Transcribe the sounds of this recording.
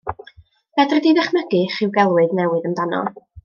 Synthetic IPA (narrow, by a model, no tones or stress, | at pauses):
v̥ɛdrɛdiðɛχməɡɨχɪwɡɛlˠwɨðnɛwɨðəmdanɔ̰